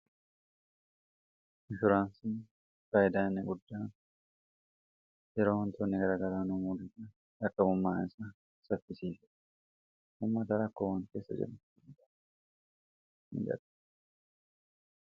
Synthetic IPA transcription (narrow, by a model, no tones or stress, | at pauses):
ɪfɪɾaːnsɪn | faːʔɪd̪aːnːɛɡʊd̪ːaːn | jɛɾo̞ːhɐnt̪oːnːɪɡɐɾaːɡɐɾaːnumud̪ɪt̪ɐ | ɐkːɐbʊmːaːɪsɐ | sɐfːɪsiːfɛ | hʊmːɐt̪ɐɾɐkːoːwaŋkeːsːɐ̰d͡ʒɛ̰mʊnt̪ɐ | mɪ̰d͡ʒɐ̰ᶑ̪ɐ̥